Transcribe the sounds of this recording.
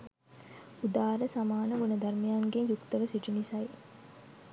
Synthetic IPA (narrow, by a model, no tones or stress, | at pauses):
ud̪aːɾəsamaːnəʋunɐd̪ʱɐɾmijaːŋɡeɲjukt̪əʋəsiʈinisɐj